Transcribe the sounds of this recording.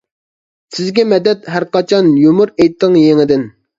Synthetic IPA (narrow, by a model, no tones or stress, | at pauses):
sɪzɡʲɛmɛd̪ɛt̪ɦæɾqɑt͡ʃʰɑnjomʊɾejt̪ʰːɨŋjeŋɪd̪ɪn